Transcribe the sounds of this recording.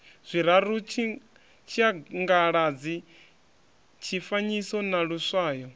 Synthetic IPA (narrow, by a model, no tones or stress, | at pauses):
z̥ʷiɾaɾut͡ʃʰi | t͡ʃʰiaŋɡaɺad͡zi | t͡ʃʰifaɲisɔnaɺuswaːjɔ